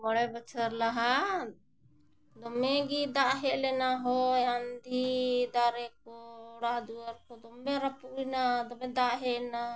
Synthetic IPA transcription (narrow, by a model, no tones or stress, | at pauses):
mɔɽɛbat͡ʃʰəɾlaɦa | d̪ɔmɛɡid̪aʔɦɛʔlɛnaɦɔjand̪id̪aɾɛkɔɽad̪uaɾkɔd̪ɔmbɛɾapuʔinad̪ɔmɛ̃d̪aʔɦɛʔna